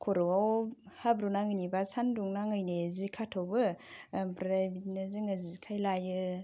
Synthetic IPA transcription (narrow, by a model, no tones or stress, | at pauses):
kʰoɾɯwaw | habɾunaŋɯnibasanduŋnaŋɯjnezikʰatʰɔwbɯpɾɾajbitnɯzɯŋazikʰajlajɯ